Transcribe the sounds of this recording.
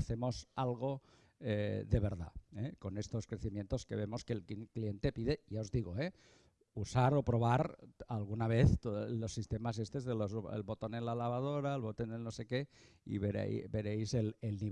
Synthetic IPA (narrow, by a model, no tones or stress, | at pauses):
θemo̞salɣ̞o̞ | eðeβ̞e̞ɾða̰eko̞nest̪o̞skɾe̞θimjent̪o̞skeβemo̞skelkklient̪e̞piðe̞ʝaozðiɣoe | usaɾo̞pɾo̞β̞aɾalɣunaβ̞eθt̪olosːist̪emasest̪e̞zðelozḛlβo̞t̪o̞nenlalaβað̞oɾaelβot̪onelnosekeḭβeɾḛbe̞ɾejzelelni